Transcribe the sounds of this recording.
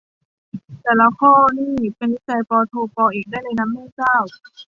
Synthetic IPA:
t̪ɛː˧˩la˧˦kʰɔː˥˩niː˥˩pe˧ni˦˥t͡ɕa˧jpɔː˧t̪ʰoː˧pɔː˧ʔiː˨˩k̚daː˥˩jna˧jna˧˥mːɛː˥˩kaː˥˩w

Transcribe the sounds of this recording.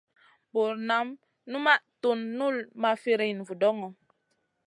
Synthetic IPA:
bo˨ɾna˨˦m | nu˦ma˦ʔto˨nːu˦˨lma˨fe˦ɾe˨n˨vu˨dɔ˦ŋɔ˨

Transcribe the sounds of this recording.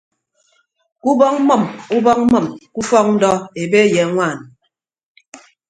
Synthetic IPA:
ku˦bɔ˦ŋ̩˦mɔ˦˨mu˦bɔ˦k̚mɔ˨mku˦fɔ˦k̚n̩˦dɔ˦e˨be˦jɛ˨ŋʷaː˦˨n

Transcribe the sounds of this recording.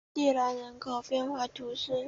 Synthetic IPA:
t̪i˥˩la˧˥nɻə˧˥ŋkʰo˨˥˩ʊpjɛ˥˧nxwa˥˩t̪ʰu˧˥ʂɻ̩˥˩

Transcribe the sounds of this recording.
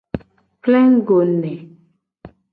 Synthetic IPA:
plɛ̃˦ŋ˦ɡo˨nɛ˨

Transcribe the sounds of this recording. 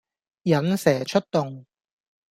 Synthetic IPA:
jɐ˨˥nsɛː˨˩t͡ʃʰɵ˥t̚t̪ʊ˨ŋ

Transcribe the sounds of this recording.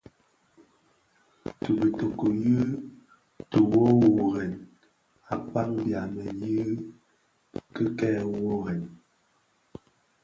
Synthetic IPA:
tu˨bi˨to˨ko˨jɨ˦ | tu˨wo˦wo˨ɣɛ˨n | a˨pa˦ŋbja˨mɛ˨ji˦ | kə˦kɛː˦wo˦ɣɛ˨n

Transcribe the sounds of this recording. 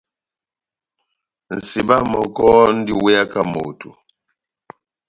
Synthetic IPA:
n̩˨si˨ba˦mɔ˨kɔ˦n̩˦di˦wɛ˦a˦ka˦mo̰˨tu˨

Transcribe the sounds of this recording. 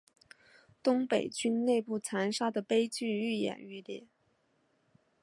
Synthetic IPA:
t̪ʊ˥ŋpe˨˩ɪt͡ɕy˥nne˥˧ɪpu˥˩t͡sʰa˧˥nʂa˥d̪ə˨pe˥ɪt͡ɕy˥˧y˥˩jɛ̰˨˩ny˥˩ljɛ˥˩˦

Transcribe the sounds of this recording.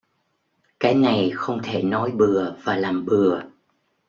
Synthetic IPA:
kaː˨˦jna˨˩jxə˧wŋ͡mt̪ʰe˧˩nɔ˨˦jɓɨ˨˩əv̥aː˨˩laː˨˩mɓɨ˨˩ə

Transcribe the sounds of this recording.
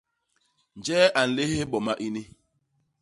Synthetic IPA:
n̩˨d͡ʒɛː˦ʔa˨n̩˨le˦he˦bɔ˨ma˦ʔi˦ni˦

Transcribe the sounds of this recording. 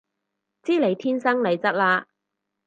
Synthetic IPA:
t͡siː˥le˨˩jt̪ʰiː˥nsɐ˥ŋle˨˩jt͡sɐ˥t̚laː˧

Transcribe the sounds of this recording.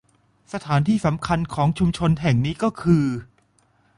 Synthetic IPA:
sa˧t̪ʰaː˩˦nt̪ʰiː˥˩sa˩˦mkʰa˧nkʰɔː˩˦ŋt͡ɕʰu˧mt͡ɕʰo˧nɦɛ˨˩ŋniː˦˥kɔː˥˩kʰɯː˧

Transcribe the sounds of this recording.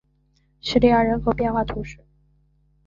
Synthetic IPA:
ɕi˥li˥˧ja˥˩ɻə˧˥nkʰo˧˥ʊpjɛ˥˧nxwa˥˩t̪ʰu˧˥ʂɻ̩˥˩

